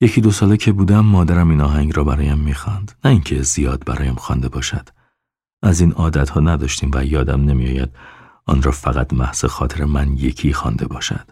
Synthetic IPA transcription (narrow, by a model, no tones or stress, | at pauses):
je̞cʰiːd̪o̞sɒːlecʰe̞buːd̪æmːɒːd̪æɾæmiːnɒːɦæŋɟɾɒːbæɾɒːjæmːiːxɒnd̪næiŋcʰezijɒːd̪̚bæ̰ɾɒːjæmxɒnd̪e̞bɒːʃæd̪̥ | ʔæziːnɒːd̪æt̪hɒːnæd̪ɒʃt̪iːmvæjɒːd̪æmne̞mijɒ̰ːjæ̰d̪̥ | ɒ̰ːnɾɒːfæɣæt̪mæhz̥exɒːt̪ʰeɾemænje̞kʰiːxɒːnd̪e̞bɒːʃæ̰d̪̥